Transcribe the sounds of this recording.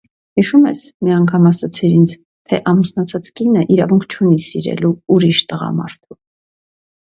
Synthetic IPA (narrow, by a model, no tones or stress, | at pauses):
hiʃumɛ̰smiɑŋkʰɑmɑsɑt͡sʰɛɾint͡sʰ | t̪ʰɛʔɑmusnɑt͡sʰɑt͡skinəʔiɾɑvuŋkʰt͡ʃʰunisiɾɛ̰luuɾiʃt̪əʁɑ̰mɑ̰ɾt̪ʰu